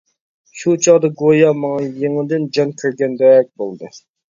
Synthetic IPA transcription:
ʃut͡ʃʰɑʁd̪ɑɡojɑmɑŋɑjeŋɪd̪ɨnd͡ʒɑŋkʲʰyɾɡʲɛnd̪ɛɛk̚ʲbolˠd̪ɨ

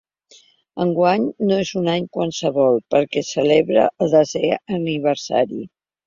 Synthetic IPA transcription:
əŋɡwaɲnoezunaɲkwansəβɔlˠpəɾkɛsəleβɾə̰ʔəlˠd̪əzɛəniβ̞əɾsa̰ɾḭ

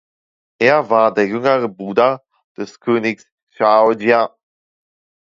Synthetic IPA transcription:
ʔeːɐvaːɐdeːɐjʏŋəʁəbʁuːdɐ | d̥ɛskʰøːnɪks | ʃaʊdia

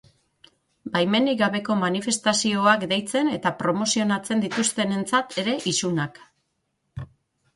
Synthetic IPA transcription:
bajme̞niɣaβe̞ko̞manife̞st̪asio̞akd̪e̞jt͡se̞ne̞t̪apɾo̞mo̞sio̞nat͡se̞nd̪it̪ust̪e̞ne̞nt͡sat̪ʰe̞ɾe̞ʔisunak

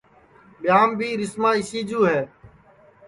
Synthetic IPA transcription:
ɓɪjaːmbʱiːɾɪsmãːɪsiːd͡ʒuːɦɛː

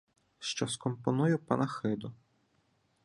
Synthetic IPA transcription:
ʃt͡ʃɔskɔmpɔnujʊpɐnɐxɪd̪ʊ

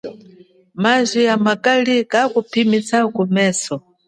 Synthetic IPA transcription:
mazʷiamakalikakupʰimisakumɛːsɔ

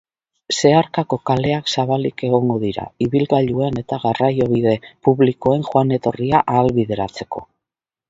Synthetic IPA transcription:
se̞aɾkako̞kale̞aksaβalike̞ɣ̞o̞ŋɡo̞ðiɾa̰iβilɣaʎue̞ne̞t̪aɣarajo̞β̞iðe̞puβliko̞e̞nxwane̞t̪o̞riaʔaːlβiðe̞ɾat͡se̞ko̞

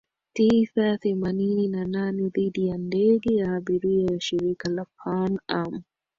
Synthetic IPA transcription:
tisaθɛmanininananɛðiɗijandɛɠɛjaːɓiɾiajaʃiɾikalapʰanam

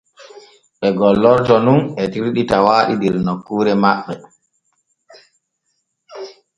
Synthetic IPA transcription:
ɓɛɡɔlːɔɾtɔnunɛtiɾɗitawaːɗidɛɾnokːuːɾɛmaɓːɛ

